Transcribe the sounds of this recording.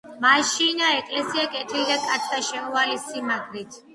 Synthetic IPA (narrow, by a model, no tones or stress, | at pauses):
maʃinaɛkʼlɛsiakʼɛt̪ʰilid̪akʼat̪sʰd̪aʃɛmɔvalisimaɡɾit̪ʰ